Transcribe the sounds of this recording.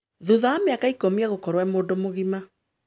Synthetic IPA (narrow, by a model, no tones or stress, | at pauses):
ðuðaameakaikomiaɣokɔɾwamoːdomoɣima